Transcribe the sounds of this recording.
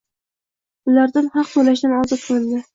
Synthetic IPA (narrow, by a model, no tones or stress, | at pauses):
ʊlaɾd̪anhɑqb̪olaʃ̬d̪anɒzɒt̪̚bolˠd̪ɪ